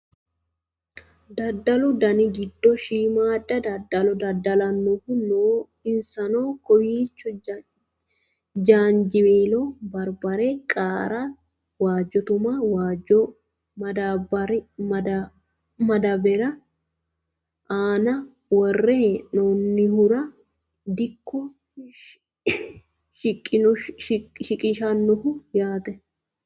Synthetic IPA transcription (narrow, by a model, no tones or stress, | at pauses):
d̪ɐd̪ːɐlʊd̪ɐnɪɡɪd̪ːɔʃiːmaːd̪ːɐd̪ɐd̪ɐlɔd̪ɐd̪ːɐlɐnːʊkʊnoː | ɪnsɐnoːkɔwiːt͡ʃːʊ | d͡ʒaːnd͡ʒɪmeːlobɐɾbɐɾekʼaːɾa | waːd͡ʒːɔt̪ʊmaːwaːd͡ʒɔ | mɐd̪aːbɐɾɪɐd̪ɐ | mɐd̪ɐbɛɾɐ | ʔaːnɐ | wɔrːeːnoːnːɪhʊɾɐ | d̪ɪkʰːɔ | ʃɪkʼːɪnɔʃɪkʼɪʃɐnːɔhʊjaːt̪ɛ